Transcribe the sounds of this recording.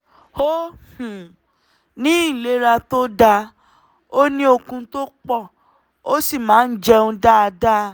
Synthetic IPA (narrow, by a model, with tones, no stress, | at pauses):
ho˦hũ˨ | nĩ˦˨le˨˦ɾa˧to˦da˧ | o˦nĩ˦o˧kũ˧to˦k͡pɔ˦˨ | o˦si˦˨mãː˨˦n̩˦d͡ʒɛ˧ũ˧da˦a˧da˦